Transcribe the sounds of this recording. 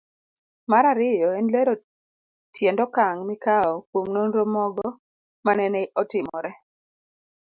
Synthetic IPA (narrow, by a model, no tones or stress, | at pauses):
maɾaɾɪjɔɛnleɾo | tʰjɛndɔkaŋmikaɔkwomnonɾomɔɡɔ | manɛnɛʔɔtɪmɔɾɛ